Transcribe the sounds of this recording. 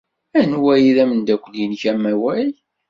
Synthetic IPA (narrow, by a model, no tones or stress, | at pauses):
ænwæjiðæmənd̪ækʷːəljinçæmːæwæj